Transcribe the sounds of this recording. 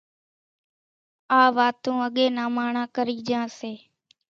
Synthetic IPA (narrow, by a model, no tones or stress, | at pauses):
aːʋaːt̪ũːəɠeːnaːmaːɳãːkəɾiːd͡ʒãːseː